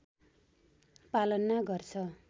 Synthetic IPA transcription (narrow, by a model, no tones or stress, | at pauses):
palʌnːaɡʌrt͡sʰʌ